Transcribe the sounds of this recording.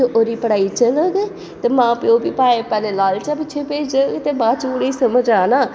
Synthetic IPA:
ʔoːɾiːpəɽaːit͡ʃələɡ | t̪eːmãːpeoːbiːpaːepɛːleːlaːlt͡ʃapɪt͡ʃːt͡ʃʰepeːd͡ʒəɡt̪eːbaːt͡ʃʊɽeisəməd͡ʒaːnaː

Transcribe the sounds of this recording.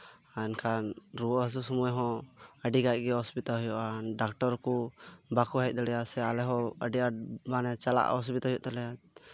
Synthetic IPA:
aɛnkʰanɾuɔʔɦəs̬usɔmujaɦɔ̃əɖiɡaj̚ɡɛɦɔspit̪alɦujɔʔanɖak̚ʈɔɾkubakuɦajc̪̚d̪ɔɽɛjasɛalɛɦɔəɖiamanɛt͡ʃala̰ʔɔs̬pit̪aɦɔjɔʔt̪alɛjat̪̚

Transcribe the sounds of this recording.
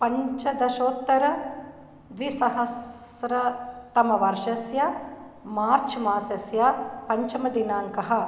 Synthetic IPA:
pɐɲt͡ʃɐd̪ɐʃoːt̪ːɐɾɐ | ʋisɐɦɐsɾɐt̪ɐmɐʋɐɾʃɐsjɐ | maːɾt͡ʃʰmaːsɐsjapɐɲt͡ʃɐmɐd̪inaːŋkɐɦɐ̆

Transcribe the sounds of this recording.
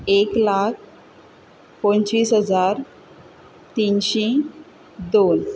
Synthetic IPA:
eklak̚ʰ | põnt͡ɕiːsɦəd͡zaɾ | t̪inɕe | d̪on

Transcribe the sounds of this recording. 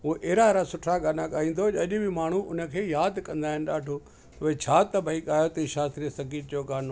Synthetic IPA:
ɦuʔeːɾaeɾasʊʈʰaɡaːnaɠaːĩːn̆d̪od͡ʒɐɐʄɪbʱɪmaːɳ̤uʔʊnə̆kʰeːjaːd̪kɐ̃nd̪aːɦɪnɪ̆ɗaːɖʱo | ɐʋet͡ɕʰaːt̪ɐbʱɐiɠaːjot̪ɐiʃaːst̪ɾiəsɐɡiːʈ̚d͡ʑoːɡaːno

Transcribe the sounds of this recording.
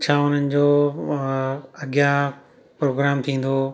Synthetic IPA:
t͡ɕʰaːʊn̤ənɪ̆d͡ʑoː | ɐɠja | pɾoːɡɾaːmt̪ʰĩːn̆d̪oː

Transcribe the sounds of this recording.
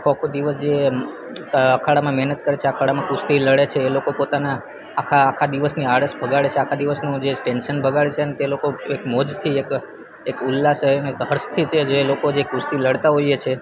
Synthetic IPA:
akʰokʰod̪iʋəsd͡ʒe | əkʰaɽamãmɛɦnət̪kəɾet͡ʃʰeəkʰaɽamãkust̪iləɽet͡ʃʰeːlokopot̪anaː | kʰaːkʰad̪iʋəsniaɽəsbʱəɡaɭet͡ʃʰeakʰad̪iʋəsnũd͡ʒeʈenʃənbʱəɡaɭet͡ʃʰeənet̪elokoekmɔd͡ʒt̪ʰiek | ekulːasəneekɦəɾst̪ʰit͡ʃʰed͡ʒelokod͡ʒekust̪iləɽt̪aɦojet͡ʃʰe

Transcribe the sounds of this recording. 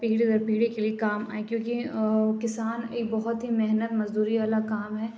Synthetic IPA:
piːɽid̪ɔɾpiːɽikeliekaːma̰ːẽkjõːkikɪsaːneːkbɔɦʊt̪ɦimeɦnət̪mɐzd̪uːɾiʋaːlakaːmɦɛː

